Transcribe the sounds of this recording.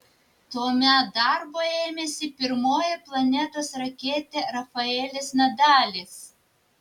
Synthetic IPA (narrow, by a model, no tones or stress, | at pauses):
t̪oːmʲɛt̪̚d̪ɑɾboːeːmʲɛsʲɪpʲɪɾmoːjɛplˠɐnʲɛt̪oːsɾɐkʲeːt̪ʲeɾɐfɐɛːlʲesmʲɛd̪ɑːlʲes